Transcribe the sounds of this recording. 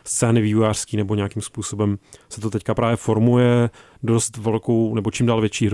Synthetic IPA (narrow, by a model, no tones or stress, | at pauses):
st͡sɛːnɪvivujaːr̝̥skiːnɛboɲɛakimspuːso̞bɛmsɛt̪ot̪ɛckapɾaːvjɛfo̞ɾmujɛ | do̞st̪vɛlko̞wnɛbot͡ʃimdaːlvjɛt͡ʃiːɦɾ